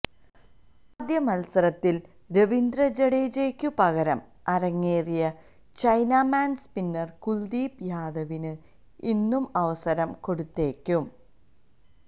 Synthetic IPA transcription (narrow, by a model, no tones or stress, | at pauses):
ɐd̪jɐmɐlsɐɾɐt̪ːil | ɾeʋind̪rɐd͡ʑeɽeːd͡ʑeːkʲːupɐɣɐɾɐm | ɐɾɐŋːeːrijɐ | t͡ɕɐjnaːmaːnspinːɐrkuld̪iːpjaːd̪ɐʋinɨ | inːumɐʋɐsɐɾɐmko̞ɽut̪ːe̞ːkʲːum